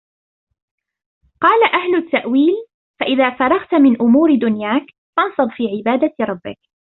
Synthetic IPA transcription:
qɑːlaʔahlʊt̪ːaʔwiːl | faʔɪðaːfɑɾˤɑɣt̪mɪnʔʊmuːɾd̪ʊnjaːk | fɑnsˤɨb̪ˤfiːʕɪbaːd̪aɾˤɑbːɪ̰k

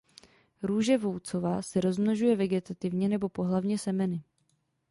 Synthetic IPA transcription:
ɾuːʒɛvo̞wt͡so̞vaːsɛɾo̞zmnoʒujɛvɛɡɛt̪at̪ɪvɲɛnɛbo̞po̞ɦlavɲɛsɛmɛnɪ

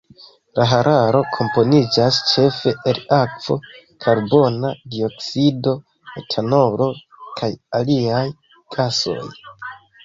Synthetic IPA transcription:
laɦaɾʔaɾo̞kʰo̞mpo̞nid͡ʒast͡ʃe̞fe̞ʔelakv̥o̞̰kʰaɾbo̞nadio̞ksido̞ | etʰano̞ɾo̞ | kʰajaliaj | ɡ̥aso̞̰j

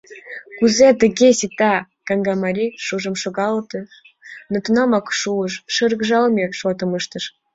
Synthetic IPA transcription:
kuzet̪ə̆ɣʲesit̪ɑ | kɑŋɡɑmɑɾʲiʃuʒə̆mʃoɣɑlt̪ə̆ | nŏt̪unɑmɑkʃuəʃʃəɾɣʒɑlmʲeʃot̪ə̆məʃt̪ə̆ʃ

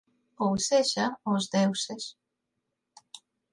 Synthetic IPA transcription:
owseʃaozd̪ewses

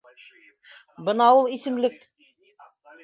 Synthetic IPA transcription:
bɤnɑulˠisɘ̆mlɘk

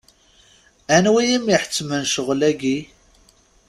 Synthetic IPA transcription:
ænwijimiħə̥t͡sːmənʃəʁlæɡi

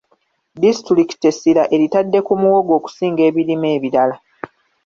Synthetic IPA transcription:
distɾiki̥tesiɾaʔe̞ɾitadːe̞kumuwo̞ɡo̞ːku̥siːŋɡe̞ːβiɾime̞ːβiɾala

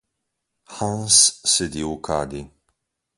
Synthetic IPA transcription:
ħãnssɨd̪iukʰa̰d̪i

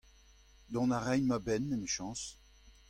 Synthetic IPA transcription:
d̪ɔ̃naʁɛjnmabɛnːɛmiʃɑ̃s

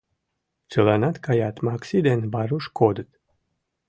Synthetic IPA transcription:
t͡sʲɨlanat̪kajat̪maksid̪enbaɾuʃkod̪ət̪

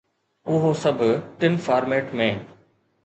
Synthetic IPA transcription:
ʊɦosɐbʱʈɪnfaːɾmeːʈmẽː

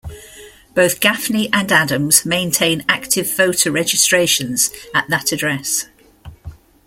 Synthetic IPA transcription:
b̥əʊθɡ̥afniʔə̃nadə̃mz̥mẽɪ̃ntʰẽɪ̃naktʰɪv̥foʊtʰəʊɹɛd͡ʒɪstɹ̥eɪʃə̃nz̥əʔðətədɹɛs

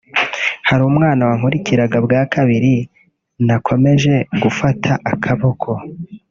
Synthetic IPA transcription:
haɾumŋaːnawaŋ̥uɾiciɾaɡabɡaːkaβiɾi | nakʰo̞me̞ʒe̞ɡufatʰaʔakʰaβo̞kʰo̞

